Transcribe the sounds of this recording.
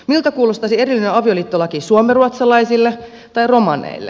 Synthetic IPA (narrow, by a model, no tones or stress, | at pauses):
milt̪ɑkuːlost̪ɑsierilːineɑʋioliːt̪ːolɑkiːsuomeruɑt̪sɑlɑisilːe | t̪ɑiromɑnḛilːḛ